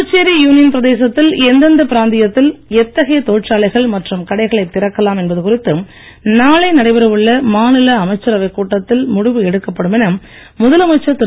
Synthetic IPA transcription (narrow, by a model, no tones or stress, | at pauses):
t͡ʃːeːɾijuːnɪjɐnpɪɾɐðeːsɐt̪ːɪlɛnd̪ɐnd̪ɐpɪɾaːnd̪ɪjɐt̪ːɪlɛt̪ːɐɣɐjɐt̪oːʈraːɭɐɪɣɐɭmɐʈrɯmkɐɽɐɪɣɐɭɐɪt̪ːɪɾɐkːɐlaːmɛnbɐðɯkʊrɪt̪ːɯ | naːɭɐɪnɐɽɐɪbɐɾɐʋɯɭːɐmaːnɪlɐːmɐɪt͡ʃːɐɾɐʋɐɪkːuːʈːɐt̪ːɪlmʊɽɪʋɯɛɽɯkːɐpːɐɽɯmɛnɐmː | ʊðɐlɐmɐɪt͡ʃːɐt̪ːɪ